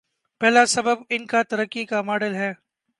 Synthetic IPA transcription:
pɛɦːlasɐbəbɪnkat̪ɐɾəkːikamaːɖəlɦɛː

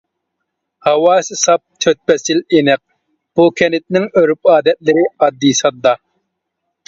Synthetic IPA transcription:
hɑwɑːsɨsɑp̚t̪ʰøt̪̚pɛsɪlenɪq̚ | b̥ukʲʰɛnɪt̪̚nɪŋøɾypɑːd̪ɛt̪̚lɪɾɪɑd̪ːisɑd̪ːɑ

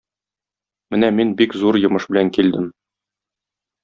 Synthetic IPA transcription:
mɘnæminbikzuɾjŏmɤʃbɘ̆læŋkild̪ɘm

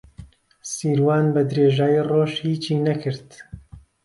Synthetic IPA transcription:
siːɾwaːnbɐd̪ɾeːʒaːjiroːʃhiːt͡ʃiːnɐkʰɨɾt̪

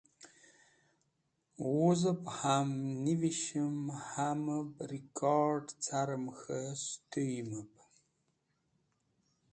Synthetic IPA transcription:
wʊzɨpʼħamniviʃɪmħaːmɐbrikʰʼardt͡sʰaːɾɐmxɐstʰɨjɪmɨp̚ʰʼ

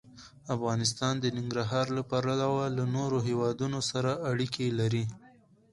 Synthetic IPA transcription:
afɣɑnɪs̬t̪ɑnd̪ənɪŋɡɾaɦɑɾlapaɾalawalanoɾoɦewɑd̪unosaɾaaɽikʰelaɾi

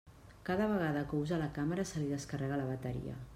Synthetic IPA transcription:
kaðəβ̞əɣ̞aðəkəuzalakaməɾəsəliðəskərɛɣ̞ələβ̞ət̪əɾḭə̰

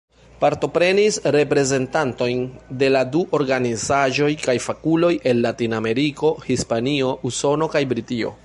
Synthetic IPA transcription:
paɾto̞pɾe̞nisɾe̞pɾe̞ze̞ntanto̞jnde̞laduʔo̞ɾɡanizaʒo̞jkajfakulo̞jʔe̞nːatiname̞ɾiko̞hispanio̞ʔuso̞no̞kajbɾitio̞̰

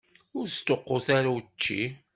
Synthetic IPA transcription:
ʊɾst̪oqːoθaɾawt͡ʃːḭ

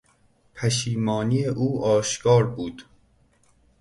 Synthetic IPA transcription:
pʰæʃiːmɒːnijeʔuːʔɒːʃkʰɒːɾbuːd̪̥

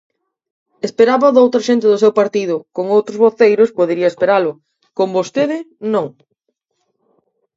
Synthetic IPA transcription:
espeɾaβaðowt̪ɾɐʃent̪ɪðʊsewpaɾt̪iðʊkoŋowt̪ɾʊzβoθejɾʊspoðeɾiɐespeɾalʊ | kombost̪eðɪnõŋ

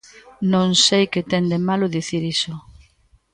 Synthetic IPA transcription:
nõŋsejkɪt̪ɛnd̪emalʊðiθiɾisʊ

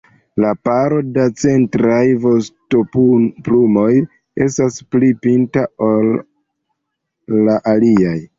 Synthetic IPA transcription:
lapaɾo̞dat͡se̞ntɾajvo̞stopplumo̞j | e̞stasplipintaol | aʔaliaj

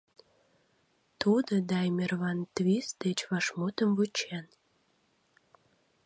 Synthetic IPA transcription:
t̪ud̪əd̪ɑjmerβɑnt̪βis̚d̪et͡ɕβɑʃmot̪əmvut͡ɕen

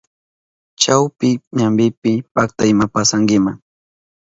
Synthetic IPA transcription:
t͡ʃawpɪɲambɪpɪpak̚t̪aɪmapasaŋɡɪmaŋ

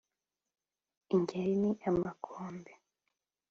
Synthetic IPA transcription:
iɲɟeɾiniʔamakʰoːmbe

